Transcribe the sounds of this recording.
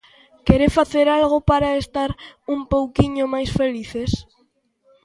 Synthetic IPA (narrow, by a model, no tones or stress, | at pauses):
keɾefaθeɾalɣ̞opaɾaest̪aɾumpowkiɲomajsfeliθes